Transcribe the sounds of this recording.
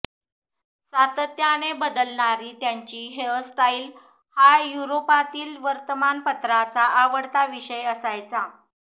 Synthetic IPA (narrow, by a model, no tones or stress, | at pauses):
sat̪ət̪janebəd̪əlɳaɾiːt̪jaɲt͡ɕiːɦelsʈail | hajuɾopat̪iːlʋəɾt̪əmanpət̪ɾat͡saʔaʋəɽt̪aʋiɕəjəsajt͡sa